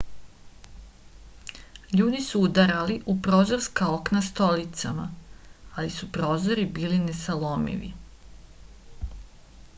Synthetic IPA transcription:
ʎuːd̪isuud̪aɾaliʔupɾo̞ːzo̞ɾskao̞knast̪o̞lit̪sama̰alisupɾo̞ːzo̞ɾibiːline̞salo̞mḭʋḭ

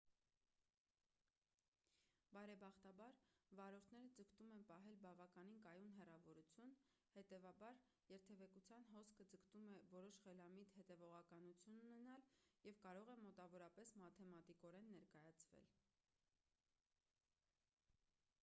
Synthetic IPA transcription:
bɑɾɛbɑχt̪ɑbɑɾvɑɾɔɾt̪ʰnɛɾəd͡zəkt̪umɛnpɑɦɛlbɑvɑkɑninkɑjunɦɛrɑvɔɾut͡sʰjun | hɛt̪ɛvɑbɑɾ | jɛɾt̪ʰɛvɛkut͡sʰjɑnɦɔskʰəd͡zəkt̪umɛvɔɾɔʃχɛlɑmit̪hɛt̪ɛvɔʁɑkɑnut͡sʰjununɛnɑljɛvkɑɾɔʁɛmɔt̪ɑvɔɾɑpɛsmɑt̪ʰɛmɑt̪ikɔɾɛnːɛɾkɑjɑt͡sʰvɛ̰l

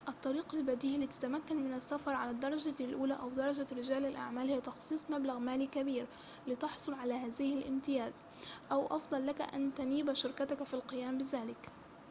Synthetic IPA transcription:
ʔɑt̪ˤːɑɾiːqalbad̪iːʔlːiːt̪ḁt̪amakːanmɪnasːafɑɾˤʕalad̪ɑɾˤɑd͡ʒalʔuːlaʔawd̪ɑɾˤɑd͡ʒaɾɪd͡ʒaːlɪlʔa̰ʕmaːlhɪjat̪ɑxsˤiːsˤmablaɣmaːlikabiːɾ | lɪt̪ɑħsˤʊlʕalahaːzɪhɪlʔɪmt̪ɪjaːzʔawʔɑ̰fd̪ˤɑlːaka̰ʔa̰nt̪aniːbaʃʊɾkat̪akafilqɨjaːmbɪzaːlɪk

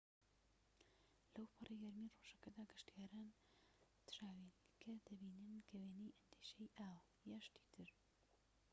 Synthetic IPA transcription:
lɐwpʰɨrˤeɡɐɾmiroʒɐkɐd̪aːɡɪʃt̪ijaːɾaːn | t̪ʃaːwinkʰɐd̪̥ɐbiːnɨnkʰɐweːnijʔɐnd̪iʃejʔaːw | jaːʃt̪i̥ːt̪ʰɨɾ

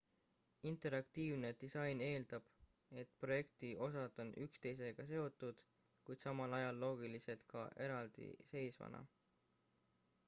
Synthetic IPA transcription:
int̪ˑe̞ɾɑkt̪iːvne̞d̪̥isɑjne̞ːld̪̥ɑb̥ | e̞t̪ˑpro̞je̞kt̪io̞sɑd̪̥o̞nʔykst̪e̞js̬e̞ɡ̥ɑse̞o̞t̪ːˑud̪̥ | kujd̪̥sɑmɑlɑjɑlːo̞ːɡ̥ilise̞t̪kɑʔe̞ɾɑld̪̥ḭse̞jsvɑ̰nʔɑ̰

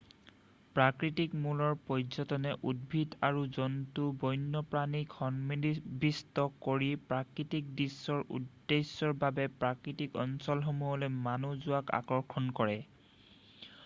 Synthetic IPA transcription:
pɹakɹitikmulɔɹpɔjzɔtɔnɛʔud̚bʱidaɹuzɔntubɔjnːɔpɹanikhɔnmbistɔkoɹipɹakɹitik̚disːɔɹṵdːesɔɹbabɛpɹakɹitikɔnsɔlxɔmuɦɔlojmanuzʊaka̰kɔɹkʰɔnkɔɹɛ

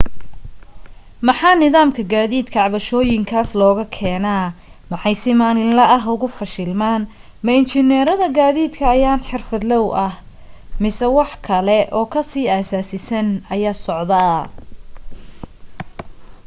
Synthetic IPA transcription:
mɐħɑːnɪðaːmkʰɐɡaːðiːd̪kʰɐʕɑβɐʃɔːjɪŋkʰaːslɔːɣɐkʰɛːnaː | mɑħɑjsɪmaːnɪnlɐʔɐɦʊɣʊfɐʃɪlmaːn | mɐɪnt͡ʃɪnɛːɾɐðɐɡaːðiːd̪kʰɐːjaːnħɪrfɐd̪lɐwʔɐh | mɪsɛwɑħkʰɐlɛʔɔːkʰɐsiːaːsaːsɪsɐnɐjaːsɔʕd̪aː

